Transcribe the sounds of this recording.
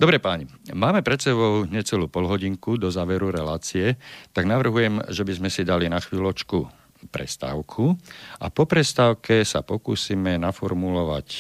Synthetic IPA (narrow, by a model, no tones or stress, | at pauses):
d̪ɔbɾɛpaːɲi | maːmɛpɾɛt̪sɛβɔʊɲɛt͡sɛluːpɔlɦɔɟiŋkud̪ɔzaːʋɛɾuɾɛlaːt͡siɛt̪aɡnaʋr̩ɦujɛmʒɛbizmɛsid̪alinaxʋiːlɔt͡ʃku | pɾɛ̰st̪a̰ːʊkʰuʔapɔpɾɛst̪aːʊkɛsa̰pɔkṵːsimɛnafɔɾmulɔʋa̰c